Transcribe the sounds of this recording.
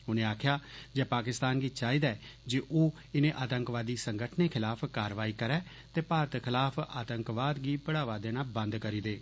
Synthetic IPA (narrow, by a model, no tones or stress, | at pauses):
ʊnẽːaːkʰjaːd͡ʒɛːpaːkɪst̪aːnɡiːt͡ʃaːiːd̪aɛːd͡ʒeʔoː | ɪnẽːʔaːt̪əŋkʋaːd̪iːsəŋɡəʈʰneːkʰɪlaːpʰkaːɾʋaːiːkəɾɛː | t̪eːpaːɾət̪kʰɪlaːpʰa̰ːt̪əŋkʋaːd̪ɡiːpəɽaːʋaːd̪ẽːnaːbə̃nd̪kəɾiːd̪eː